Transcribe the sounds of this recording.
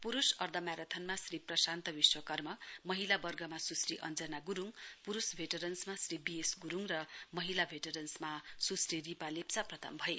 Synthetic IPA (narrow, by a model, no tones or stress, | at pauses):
puɾusʌrd̪ʱʌmjaɾʌt̪ʰʌnmasriprʌsant̪ʌbiswʌkʌrmʌmʌɦilabʌrɡʱʌmasusriʔʌ̰nd͡zʌnaɡuɾuŋpuɾusbʱeʈʌɾʌnsmasribiesɡuɾuŋrʌmʌɦilabʱeʈʌɾʌnsmasusriripalept͡saprʌt̪ʰʌ̰mbʱʌe